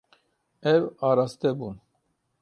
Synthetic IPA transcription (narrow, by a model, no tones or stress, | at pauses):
ɛvɑɾɑst̪ɛbun